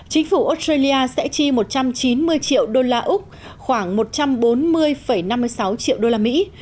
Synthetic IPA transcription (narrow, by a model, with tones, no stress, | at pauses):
t͡ɕï˨˦ŋ̟fu˧˩ʔo˦˥stɹə˧li˧ʔaː˧sɛ̰˧˥t͡ɕi˧mo˨˩t̚t͡ɕa˧mt͡ɕi˨˦nmɨ˧əjt͡ɕḭ˧˨əwɗo˧laː˧ʔʊ˦˥k͡p̚ | xwaː˧˩ŋmo˨˩t̚t͡ɕa˧mɓo˨˦nmɨ˧əjfə˧˩jna˧mːɨ˧əjsa˨˦wt͡ɕḭ˧˨əwɗo˧laː˧mḭ˧˥